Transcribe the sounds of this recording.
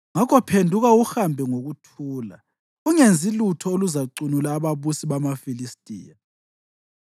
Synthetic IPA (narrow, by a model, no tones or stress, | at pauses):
ŋakʰɔpʰendʱuɣauhambʱɛŋoɣutʰuːla̰ | uŋend͡zʱilutʰɔoluzaǀunulaːβaβusiβamafilistʼḭːja